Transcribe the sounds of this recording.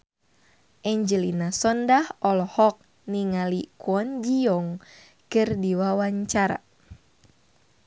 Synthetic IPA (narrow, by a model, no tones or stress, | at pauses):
ʔɛɲd͡ʒəlinasɔndahɔlhɔk̚ | niŋalikuɔnd͡ʒiɔŋ | kɨrdiwawaɲt͡ʃaɾa̰